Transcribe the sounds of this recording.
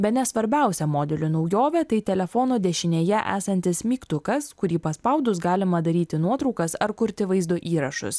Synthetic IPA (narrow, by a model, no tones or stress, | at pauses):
bʲɛt̪nʲɛsʋɐɾʲbʲæˑʊsʲɛmoːd̪ʲɛlʲʊnɒʊjoːʋʲɛt̪ɐɪt̪ʲɛlʲɛfɔnoːd̪ʲɛʃʲɪnʲeːjɛʔæ̰ːsɐnʲt̪ʲɪsmʲiːkt̪ʊkɐskʊɾʲiːpɐspɐʊd̪ʊsɡɑːlʲɪmɐd̪ɐɾʲiːt̪ʲɪnuɔt̪ɾɒʊkɐsɐɾkʊɾʲt̪ʲɪʋɐɪzd̪oːʔiːɾɐʃʊ̰s